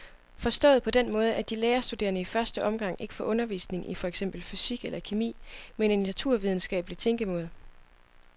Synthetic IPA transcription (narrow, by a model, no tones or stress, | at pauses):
fɒ̽sd̥ɔ̰ːð̩ˠpʰɒ̽d̥enmɔ̽ːð̞ˠəæd̥ileːɐsd̥ude̝̰ːɐnəifɶɐsd̥əʔɒ̽mɡ̥ɑ̈ŋ̰e̝ɡ̥əfɒ̽ʔɔ̽nɐʋḭːsne̝ŋifɒ̽eɡ̥sem̰b̥l̩fysiɡ̥elʔɐkʰimḭːmene̝nːæt͡sʰuɐ̰ʋið̞ˠn̩sɡ̥ɛ̰ːb̥əlit͡sʰeŋɡ̥əmɔːð̞ˠ